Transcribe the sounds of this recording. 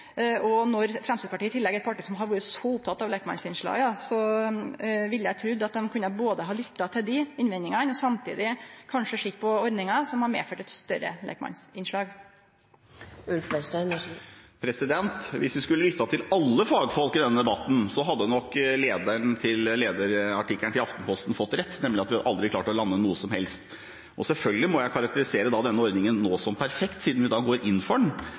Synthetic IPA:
ɔnɔɾfɾɛmst̪id̪pɑʈiːət̪ʰɪlːɛɡɛt̪̚pʰɑʈiːsɔmɦɑɾʋuːɾəsɔʊp̚t̪ʰɑt̪ːɑʋlekmɑ̰nsɪnʂɭɑ̰ːɡd̪ɑsɔ | ʋɪlːəjæt̪ʰɾʉd̪ːɑt̪̚d̪ɛmkʰʉnːəboːd̪əɦɑːlʏt̪ːɑt̪ʰɪld̪ɪɪnʋɛnːɪŋɑnɔsɑmt̪ʰḭːd̪ɪkʰɑnʂəʂɪkːpʰɔɔɾd̪nɪŋɑsɔmhɑɾmḛːføːʈɛt̪st̪œɾə̰lɛ̰ːkmɑ̰nsɪnʂɭɑːɡ | ʉlfɛs | pʰɾɛsɪd̪ɛnt̪ʋɪsʋɪskʉlːəlʏt̪ːɑt̪ʰɪlɑlːəfɑːɡfɔlkɪd̪ɛnːəd̪ɛbɑt̪ːn̩sɔɦɑd̪ːənɔkːleːd̪əɳt̪ʰɪlleːd̪əɾɑʈɪkləɳt̪ʰɪlɑft̪n̩pʰɔst̪n̩fɔt̪ːɾɛt̪ːnɛmlɪɑt̪ʋɪhɑd̪əʔɑld̪ɾɪkʰlɑːʈlɔlɑnːənuːəsɔmhɛlst̪ | ʔɔsɛlfœlɡəlɪmɔjæɪkʰɑɾɑkt̪əɾɪseːɾəd̪ɑːd̪ɛnːəɔɾd̪nɪŋənːoːsɔmpʰæɾfɛkt̪siːd̪n̩ʋɪd̪ɑːɡoːɾʔɪnːfɔɖɳ

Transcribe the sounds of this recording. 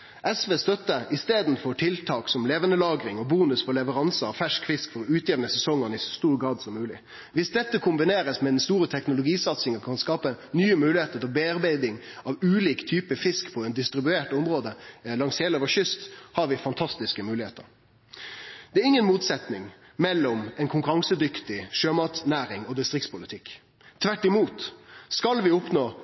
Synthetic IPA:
ʔɛsʋeːst̪œt̪ːəɾɪst̪eːd̪n̩fɔʈʰɪlt̪ʰɑːksɔmleːʋənəlɑːɡɾɪŋɔbuːnʉsfɔlɛʋəɾɑnsəɑʋfæʂkfɪskfɔɾʉːt̪ʰjeːʋnəsɛsɔŋənɪsɔ̥st̪uːɾɡɾɑːd̪sɔmːʉːlɪ | ʋɪsd̪ɛt̪ːəkʰʊmbɪneːɾəsmɛd̪ɛnst̪uːɾət̪ʰɛknʊlʊɡiːsɑt̪sɪŋəkʰɑnskɑːpənyːəmʉːlɪheːt̪əɾt̪ɪlbeːɑɾbæɪd̪ɪŋɑʋʉːliːkt̪ʰyːpəfɪskpʰɔɛnd̪ɪst̪ɾɪbʉeːʈʊmʁoːd̪əlɑŋsheːloːʋəɕʏst̪hɑɾʋɪfɑnt̪ʰɑst̪ɪskəmʉːlɪheːt̪ə̰ɾ | d̪̥ɛæɾɪŋːənmuːt̪sɛt̪nɪŋ | mɛlːɔmɛnkʰʊŋkʉɾɑŋsəd̪ʏkt̪ɪʃøːmɑt̪snæːɾɪŋɔd̪ɪst̪ʁɪk̚t̪spʰʊlɪt̪ʰɪkː | t̪ʰʋæʈːɪmuːt̪skɑlʋɪʊpnoː

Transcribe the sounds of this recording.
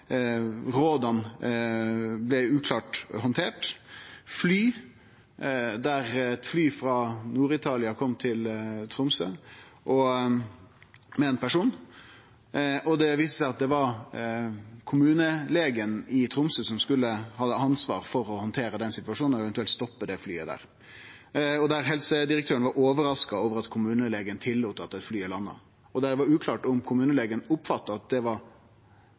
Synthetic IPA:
ɾoːd̪ɑn | blɛʉːkʰlɑːʈhɔnt̪ʰeːʈ | flyː | d̪æɾɛt̪flyːfɾɑːnuːɾɪt̪ʰɑːlɪɑkʰɔmt̪ʰɪlt̪ʰɾʊmsəʔɔ | mɛɛːnpʰæʂuːn | ʔɔd̪ɛʋiːst̪əsæɪɑt̪̚d̪ɛʋɑɾ | kʰʊmʉːnəleːɡənɪt̪ʰɾʊmsəsɔmskʉlːəhɑd̪ːəɑnsʋɑ̰ːɾfɔɾɔhɔnt̪ʰeːɾəd̪ɛnsɪt̪ʋɑʂuːnɔɛʋɛnt̪ʉɛlt̪st̪ɔpːəd̪ɛfly̰ːəd̪æ̰ːɾ | ɔd̪æɾɦɛlsəd̪ɪɾək̚t̪ʰøːənʋɑɾoːʋəɾɑskɑoːʋəɾɑt̪kʰʊmʉːnəleːɡənt̪ʰɪlːuːt̪əɑt̪ːɛt̪flyːɪlɑnːə̰ | ɔd̪æd̪ɛʋɑɾʉːkʰlɑːʈɔmkʰʊmʉːnəleːɡənʊpfɑt̪ːəɑt̪̚d̪ɛʋɑɾ

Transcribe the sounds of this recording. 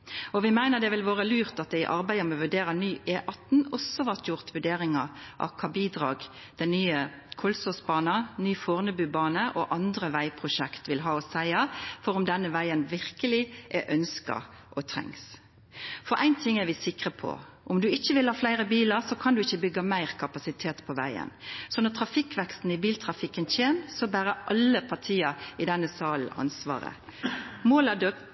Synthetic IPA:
ɔʋɪmæɪnəʁd̪ɛʋɪlʋoːʁəlyːʁt̪ɑt̪̚d̪ɛɪʔɑɾbæɪəmɛʋʉɖeːɾənyːʔeːʔɑt̪nɔsːɔʋæʁt̪jʊʁt̪ʋʉɖeːɾɪŋəʔɑ̰ʋkʰɑːbiːd̪ʁɑ̰ːɡ | d̪̥ɛɪnyːə | kʰɔlsɔsbɑːnənyːfoːʁnəbʉːbɑːnəʔɔʔɑnd̪ɾəʋæɪpʰʁʊʃɛkt̪ʋɪlɦɑːɔsæɪɑfɔɾɔmd̪ɛnːəʋæɪənʋɪʁkəlɪʔɛʔœnskɑ̰ | ʔɔt̪ʰɾɛ̰ŋs | fɔɾʔæɪnt̪ʰɪŋːæɾʋɪsɪkʁəpʰɔ̰ | ʔɔmd̪ʉɪçːəʋɪlhɑːflæɪɾəbiːlɑɾsɔkʰɑnd̪ʉɪçːəbʏɡːɑmæɪʁkʰɑpɑsɪt̪ʰeːt̪pʰɔʋæ̰ɪə̰nsɔnɔt̪ʰʁɑfɪkːʋɛkst̪n̩ɪbiːlt̪ʰʁɑfɪkːənçeːnsɔbæːʁəʔɑlːəpʰɑʁt̪ʰiːɑɪd̪ɛnːəsɑːl̩ɑ̰nsʋɑ̰ːʁə̰moːlɑd̪ø

